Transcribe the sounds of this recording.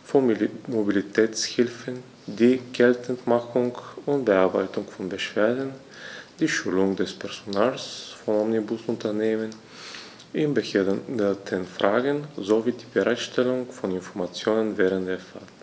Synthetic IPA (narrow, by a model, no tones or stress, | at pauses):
fmobilitʰɛːt͡shɪlfən | diːɡ̥ɛltʰn̩tmaχʊŋʊnt̚b̥əaɐba̰ɪtʊŋfɔnbəʃv̥eːɐdn̩ | d̥iːʃulʊŋdɛspʰɛɐz̥onaːlsfɔnɔmnibʊsʊntʰɐneːmən | ʔɪnbədətʰənfʁaːɡənzoviːdiːbəʁaɪtʃtʰɛlʊŋfɔnɪnfɔɐmat͡sjoːnənvɛːʁəntd̥eːɐfal